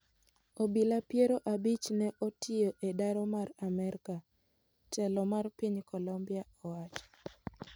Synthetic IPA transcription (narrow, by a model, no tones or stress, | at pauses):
obilapjeɾoʔabit͡ʃnɛʔɔtʰɪoʔedaɾɔmaramɛɾka | t͡ʃɛlɔmarpiɲkɔlɔmbiaɔwat͡ʃɔ̥